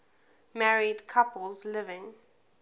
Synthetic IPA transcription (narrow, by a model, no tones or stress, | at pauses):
mæɹidkʰapəlˠzlɪvɪ̃ŋ